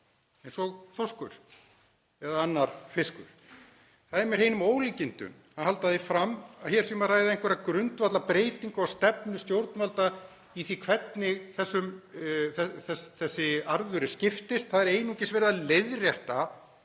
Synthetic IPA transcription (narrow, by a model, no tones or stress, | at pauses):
ɛnsɔɣθɔskʏ̰ɾ̥ | ɛðaanːaɾ̥fɪskʏ̰ɾ̥ | θaðɪmɛɾhejnʏmoːwlicɪnt̪ʏ̰nhanhalt̪aðɪfɾamːaçɛɾsɛmaraːjðɪenŋkvɛɾakɾʏnt̪vat̪lapɾeːjt̪iŋkɔwst̪ɛpnʏst̪jowɾt̪nvalt̪a | iθikʰvɛt̪nɪɣθɛsːʏmθɛθɛθɛsːɪaɾðʏɾɪscɪft̪ɪst̪θaðɛɾeːjnucɪsvɛɾðaleðrjɛht̪a